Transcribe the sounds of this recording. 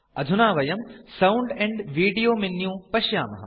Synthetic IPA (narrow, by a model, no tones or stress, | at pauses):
ɐd̪ʱunaːʋɐjɐmsɐwʊɳɖɛ̃ɳɖʋiːɖijoːminːjũːpɐʃjaːmɐɦɐ